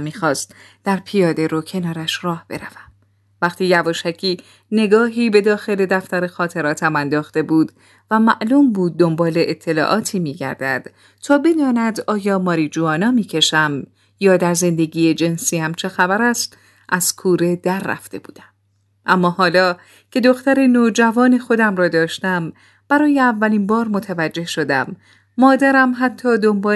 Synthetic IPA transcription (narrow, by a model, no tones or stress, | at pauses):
mːiːxɒːst̪ | d̪̥æɾpʰijɒːd̪e̞ɾocʰe̞nɒːɾæʃrɒːhb̥e̞ɾæv̥æm | væqt̪ʰiːjævɒːʃæcʰiː | ne̞ɡɒːɦiːbe̞d̪ɒːxe̞le̞d̪æft̪æɾe̞xɒːt̪ʰe̞ɾɒːt̪ʰæmænd̪ɒːxt̪e̞buːd̪ | væmæʔluːmbuːd̪̚ːo̞mbɒːleʔet̪ʰːe̞lɒ̰ːʔɒːt̪ʰiːmiːɟæ̰ɾd̪æd̪̥ | t̪ʰɒːbe̞d̪ɒːnæd̪ɒːjɒːmɒːɾid͡ʒuːɒːnɒːmiːcʰe̞ʃæm | jɒːd̪æɾze̞nd̪e̞ɡiːjed͡ʒe̞nsiːæmt͡ʃʰe̞xæbæɾæst̪ | ʔæz̥kʰuːɾe̞d̪æɾːæ̰ft̪e̞̰bṵːd̪æm | ʔæmːɒːhɒːlɒː | cʰe̞d̪o̞xt̪æɾenoːd͡ʒævɒːnexo̞d̪æmrɒːd̪ɒːʃt̪æm | b̥æɾɒːjeævːæliːnbɒːɾmo̞t̪ʰævæd͡ʒːe̞hʃo̞d̪æ̰mː | ɒːd̪æɾæmɦæt̪ʰːɒːd̪o̞mbɒː